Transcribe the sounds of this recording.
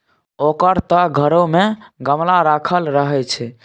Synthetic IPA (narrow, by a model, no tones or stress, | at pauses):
okəɾt̪əɡʱəɾomeɡəmlaɾakʰəlɾəɦɛt͡ʃʰɛ